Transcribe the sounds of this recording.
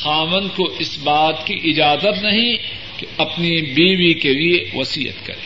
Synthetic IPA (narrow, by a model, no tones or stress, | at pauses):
xaːʋə̃nkoɪsbaːt̪kiʔɪd͡ʒaːzət̪nɐɦĩ | keɐpnibiːbikelieʋɐsiːə̰t̪kɐ̰ɾḛː